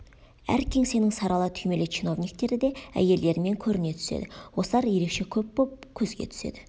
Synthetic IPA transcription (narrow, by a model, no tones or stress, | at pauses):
æ̰ɾkʲʰe̞ŋse̞nɪŋsɑɾɑlˠət̪ʰʏjme̞let͡ʃino̞vnik̚t̪e̞ɾɪd̪e̞æ̰je̞ld̪e̞ɾɪme̞ŋkʲʰɵɾɪne̞t̪ʰʏ̥se̞̰d̪ɪwo̞slˠɑɾje̞ɾe̞kʃe̞kʲʰɵpbop̚kʲʰɵzɡʲḛt̪ʰʏ̥se̞̰d̪ɪ